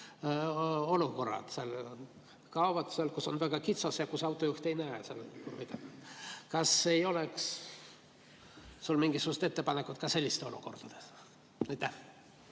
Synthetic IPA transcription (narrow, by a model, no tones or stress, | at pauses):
o̞luko̞rːɑ̰d̪̥sel | kɑovɑt̪seɑlkuso̞nvæɡ̥ɑkit̪sosjɑkusɑwt̪ˑːo̞juht̪e̞jnæeselḭjt̪ɑmkɑsejo̞leks | sulmiŋɡisukuset̪e̞t̪ːe̞pɑnekːˑut̪kɑse̞lʲːist̪eo̞lṵko̞rd̪̥ɑd̪̥e | ɑjt̪ːæh